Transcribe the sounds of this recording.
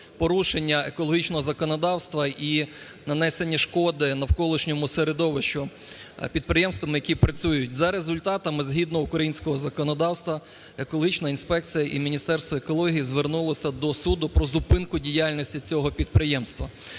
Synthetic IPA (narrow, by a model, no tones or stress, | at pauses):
pɔɾuʃenʲːɐekɔlˠɔɦʲit͡ʃnɔɦɔzɐkɔnɔd̪ɑwst̪ʋɐi | nɐnɛsenʲːɐʃkɔd̪ɪnɐwkɔlˠɪʃnʲɔmʊseɾed̪ɔʋɐʃt͡ʃʊ | pʲid̪̚pɾɪjɛmst̪ʋɐmɪjɐkʲipɾɐt͡sʲujʊtʲzɐɾezʊlʲt̪ɑt̪ɐmɪzɦʲid̪nɔʊkɾɐjinʲsʲkɔɦɔzɐkɔnɔd̪ɑwst̪ʋɐ | ekɔlˠɦit͡ʃnɐinspɛkt͡sʲijɐʔimʲinʲist̪ɛrst̪ʋɐekɔlˠɔɦʲijizʋernulˠɔsʲɐd̪ɔsud̪ʊpɾɔzʊpɪnkʊdʲijalʲnʲɔsʲtʲit͡sʲɔɦɔpʲid̪̚pɾɪjɛmst̪ʋɐ̰